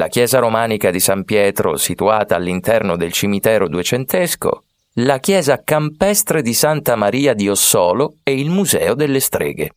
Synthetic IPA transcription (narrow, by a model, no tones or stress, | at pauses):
la̰k̟jɛːzaɾomaːnikad̪isampjɛːt̪ɾo̰sit̪uaːt̪aːlːint̪ɛrnod̪elt͡ʃimit̪ɛːɾod̪uet͡ʃent̪esko̰ | lakjɛːzakampɛst̪ɾed̪isant̪amaɾiːad̪iosːɔːloɛilmuzɛ̰ːod̪elːest̪ɾḛːɡḛ